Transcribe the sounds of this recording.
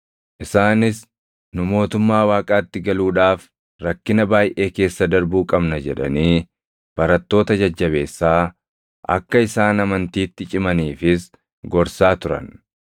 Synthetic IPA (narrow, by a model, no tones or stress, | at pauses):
ʔɪsaːnɪs | nʊmo̞ːt̪ʊmːaːwaːkʼaːt̪ːɪɡɐluːᶑaːf | ɾɐkːɪnɐbaːjʔe̞ːke̞ːsːɐd̪ɐɾbuːkʼɐbnɐd͡ʒɛᶑɐ̰niː | b̥ɐɾɐt̪ːo̞ːt̪ɐd͡ʒɐd͡ʒːɐβe̞ːsːaː | ʔɐ̰kːɐɪsaːnɐmɐnt̪iːt̪ːɪt͡ʃʼɪmɐniːfɪs | ɡɔɾsaːt̪ʊɾɐ̰n